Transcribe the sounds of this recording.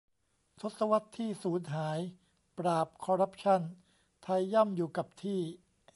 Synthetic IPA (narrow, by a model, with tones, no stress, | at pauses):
t̪ʰo˦˥t̪̚sa˧wa˦˥t̪ʰːiː˥˩suː˩˦nɦaː˩˦j | pɾaː˨˩p̚kʰɔ˧ɾa˦˥p̚t͡ɕʰa˥˩n | t̪ʰa˧jːa˥˩mjuː˨˩ka˨˩p̚t̪ʰiː˥˩